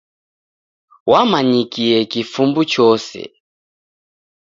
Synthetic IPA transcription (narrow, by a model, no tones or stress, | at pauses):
wamaɲikiɛkifumbut͡ʃɔsɛ̰